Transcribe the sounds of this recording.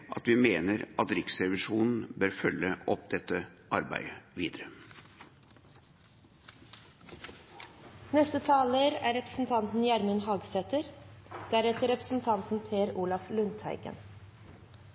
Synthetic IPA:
ʔɑt̪ʋimeːnəɾʔɑt̪ɾɪksɾɛʋɪʂuːnn̩bøːɾfœlːəʔɔp̚d̪ɛt̪ːəʔɑɾbæ̰ɪəʋiːd̪əɾə | nɛst̪ət̪ʰɑːləɾæːɾɛpɾəsn̩t̪ʰɑnt̪n̩jæɾmənɦɑːɡsɛt̪əɾd̪̥æɾɛt̪əɾɛpɾəsn̩t̪ʰɑnt̪n̩pʰeːæɾuːlɑflʉnt̪hæ̰ɪɡə̰n

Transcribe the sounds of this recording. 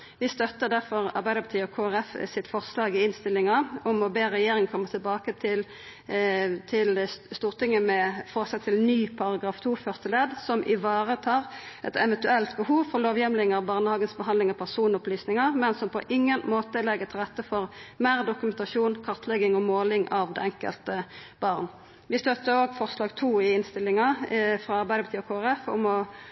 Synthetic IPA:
ʋɪst̪œt̪ːəd̪æʁfɔʁɑʁbæɪd̪əpʰɑt̪iːɔkʰoːæʁɛfsɪt̪fɔʁslɑːɡɪɪnst̪ɪlːɪŋɑʊmɔbeːɾɛjeːɾɪŋkʰɔmːəʁt̪ʰɪlbɑːkət̪ʰɪl | t̪ʰɪlst̪uːʁt̪ʰɪŋːəmɛfɔʁsɛt̪ʰːɪlnyːpʰɑɾɑɡʁɑːft̪ʰuːfœʁt̪əleːd̪sɔmʔɪʋɑːʁət̪ʰɑːʁʔɛ̰t̪ɛʋənt̪ʉɛlt̪bəhuːʋfɔʁloːʋjɛmlɪŋɑʋbɑːʁnəhɑːɡənsbəɦɑnd̪lɪŋɑpʰæʁsuːnʊplyːsnɪŋɑʁmɛnsɔmpʰɔ̰ʔɪŋːənmoːt̪əlɛɡət̪ʰɪlʁɛt̪ːəfɔʁmeːʁd̪ʊkʉmɛnt̪ɑʃuːnkʰɑʁt̪ʰlɛɡɪŋɔmoːlɪŋʔɑʋd̪ɛ̰ɛŋkə̰lt̪əbɑʁn | ʋɪst̪œt̪ːəɾoːɡfɔʁslɑːɡt̪ʰuːɪɪnst̪ɪlːɪŋɑfʁɑɑʁbæɪd̪əbpət̪iːɔkʰoːæʁɛfʊ̰mɔ

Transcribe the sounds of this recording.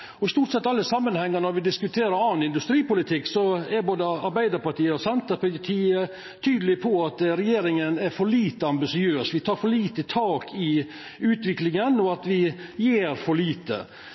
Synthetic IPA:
ɔɪst̪uːʈsɛt̪ːɑlːəsɑmːənhɛŋːəɾnɔɾʋɪd̪ɪskʉt̪ʰeːɾəɾɑːnɪnd̪ʉst̪ɾiːpʊlɪt̪ʰɪkːsɔɛboːd̪əɑɾbæɪd̪əɾpɑʈʰiːəɔsɛnt̪əɾpʊt̪ʰiːə | t̪ʰyːd̪əlɪpʰɔɑt̪ɾɛjeːɾɪŋənɛɾfɔɭiːt̪əɑmbɪsɪøːsʋɪt̪ʰɑːɾfɔɭiːt̪ət̪ʰɑːkʰɪ | ʉːt̪ʋɪklɪŋənɔɑt̪ʋɪjeːɾfɔɭiːt̪ə̰

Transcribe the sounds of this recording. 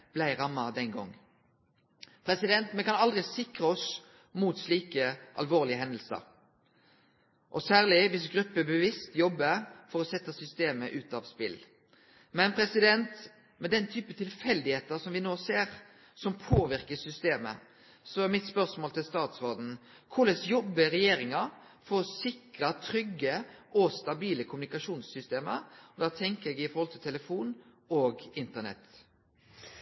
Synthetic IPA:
b̥læɪʁɑmːɑd̪ɛnɡɔ̰ŋː | pʰʁɛsɪd̪ɛnt̪mɛkɑnɑld̪ʁɪsɪkʁəɔs | muːt̪sliːkəʔɑ̰lʋoːʁlɪəɦɛnd̪əl̩sə̰ɾ | ʔɔsæːʁlɪʋɪsɡɾʉpːəbɛʋɪst̪jɔbːəfɔʁɔsɛt̪ːəsʏst̪eːməʔʉːt̪ɑʋspɪ̰l | mɛnpʰʁɛsɪd̪ɛnt̪ | mɛd̪ɛnt̪ʰyːpət̪ʰɪlfɛld̪ɪheːt̪əsɔmʋɪnoːseːʁ | sɔmpʰoːʋɪɾkəsʏst̪eːmə̰ | sɔæɾmɪt̪spœɾsmoːlt̪ʰɪlst̪ɑːt̪sʋɔɖn̩ | kʰʊləsjɔbːəɾɛjeːɾɪŋɑ | fɔɾɔsɪkɾət̪ʰɾʏɡːəɔst̪ɑbiːləkʰʊmʉnɪkɑʂuːnsʏst̪eːmə̰ɾɔd̪ɑːt̪ʰɛŋkəɾɛɡɪfɔɾhɔlt̪ʰɪlt̪ʰɛləfuːn | oːɡɪnt̪ənɛ̰t̪ː

